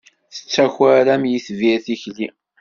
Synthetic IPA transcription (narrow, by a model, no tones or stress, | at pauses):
θə̥t͡sːæçæɾæmjiθviθiçli